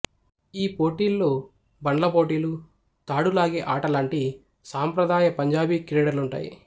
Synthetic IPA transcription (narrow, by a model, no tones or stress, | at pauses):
iːpo̞ːʈiːlːoː | bɐɳɖlɐpo̞ːʈiːlu | t̪aːɽulaːɡeːʔaːʈɐlaːɳʈi | saːmpɾɐd̪aːjɐpɐɲd͡ʒaːbikɾɛːɽɐɾluɳʈa̰ːjḭ